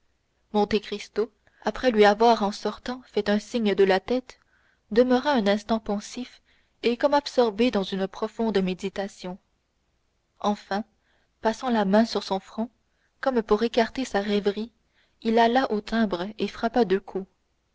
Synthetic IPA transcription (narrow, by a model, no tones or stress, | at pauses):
mɔ̃t̪ekχist̪o | apχɛlɥiavwaʁɑ̃sɔʁt̪ɑ̃fɛt̪ɛ̃siɲd̪əlat̪ɛt̪ | d̪əməʁaɛ̃nɛ̃st̪ɑ̃pɑ̃sif | ekɔmabsɔʁbed̪ɑ̃zynpχɔfɔ̃d̪med̪it̪asjɔ̃ | ɑ̃fɛ̃ | pasɑ̃lamɛ̃syʁsɔ̃fχɔ̃ | kɔmpuʁekaʁt̪esaʁɛvʁi | ilalaʔot̪ʰɛ̃ːbʁefχapad̪əkʰu